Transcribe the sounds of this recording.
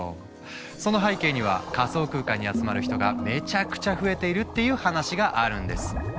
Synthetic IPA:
so̞no̞ɦaike̞ːɲ̟iβ̞a̰kaso̞ːkɯ̟ːkaɲ̟ːiat͡sɨmaɾɯ̟çi̥t̪o̞ɡa̰me̞t͡ɕakɯ̟̥t͡ɕaɸɯ̟e̞t̪e̞iɾɯ̟t̪ːe̞jɯ̟ːhanaɕiɡaʔaɾɯ̟̃nd̪e̞̰sɨ̥

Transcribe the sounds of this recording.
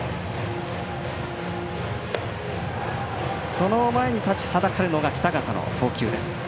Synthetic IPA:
so̞no̞mae̞ɲ̟it̪at͡ɕi̥had̪akaɾɯ̟no̞ɡakʲi̥t̪aɡat̪ano̰ɸo̞ːkʲɨːd̪e̞sɨ̥

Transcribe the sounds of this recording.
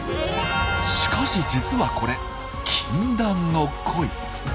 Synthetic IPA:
ɕi̥kaɕid͡ʑit͡sɨβako̞ɾe̞ | kʲʰĩnd̪ãnːo̞kʰo̞i

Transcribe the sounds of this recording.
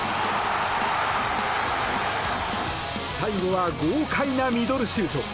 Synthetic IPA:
saiɡo̞βaɡoːkʰainamʲid̪o̞ɾɯ̟ɕɨːt̪o

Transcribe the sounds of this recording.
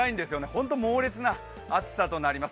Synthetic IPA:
aĩnd̪e̞sɨjone̞hõ̞nt̪o̞mo̞ːɾʲet͡sɨna | at͡sɨ̥sat̪o̞naɾʲimas

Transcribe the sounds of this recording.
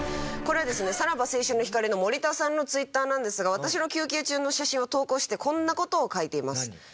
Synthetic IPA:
ko̞ɾe̞βad̪e̞sɨne̞saɾabase̞ːɕɨnːo̞çʲi̥kaɾʲino̞mo̞ɾʲit̪asãnːo̞t͡sɨit̪ːaːnãnd̪e̞sɨɡaβ̞at̪aɕino̞kʲɨːkʲeːt͡ɕɨːno̞ɕaɕĩɰ̃o̞t̪o̞ːko̞ːɕi̥t̪e̞kʰõ̞nːako̞t̪o̞ːkait̪e̞imasɨ̥

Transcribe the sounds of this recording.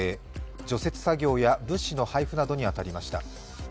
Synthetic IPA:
e | d͡ʑo̞se̞t͡sɨ̥saɡʲo̞ːjabɯ̟̃ɕːino̞haiɸɯ̟nad̪o̞ɲ̟iat̪aɾʲimaɕi̥t̪a̰

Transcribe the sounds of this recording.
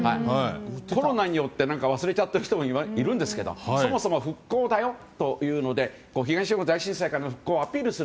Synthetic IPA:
hai | ko̞ɾo̞naɲ̟ijo̞t̪ːe̞nãŋkaβ̞asɨɾe̞t͡ɕat̪ːeɾɯ̟çi̥t̪omoimaiɾɯ̟̃nd̪e̞sɨ̥ked̪o̞̰so̞mo̞somoɸɯ̟kːo̞ːd̪ajo̞t̪o̞jɯ̟ːno̞d̪e̞ | koːçiɡãɕionod̪aiɕĩɰ̃saikaɾanoɸɯ̟̥kːo̞ːapʲiːɾɯ̟sɨ

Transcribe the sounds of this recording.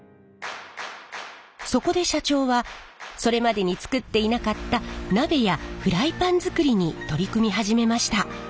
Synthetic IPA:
so̞ko̞d̪e̞ɕat͡ɕo̞ːβaso̞ɾe̞mad̪e̞ɲ̟it͡sɨ̥kɯ̟t̪ːe̞inakat̪ːanabe̞jaɸɯ̟ɾaipãnd͡zɨkɯ̟ɾʲiɲ̟it̪o̞ɾʲikɯ̟mʲiɦaʑime̞maɕi̥t̪a

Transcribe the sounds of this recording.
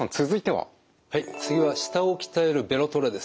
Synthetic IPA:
ãnt͡sɨzɨit̪e̞βa̰ | hait͡sɨɡʲiβaɕi̥t̪ao̞kʲi̥t̪ae̞ɾɯ̟be̞ɾo̞t̪o̞ɾɯd̪e̞s

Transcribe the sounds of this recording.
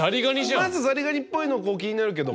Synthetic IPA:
aɾʲiɡaɲ̟ʲiɕiamazɨzaɾʲiɡaɲʲipːo̞inoko̞ːkʲiɲ̟inaɾɯ̟k̬ed̪o

